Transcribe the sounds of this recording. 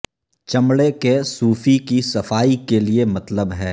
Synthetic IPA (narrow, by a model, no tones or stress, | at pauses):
t͡ʃɐmɽekesuːfikisɐfaːikeliemɐt̪ləbɦɛː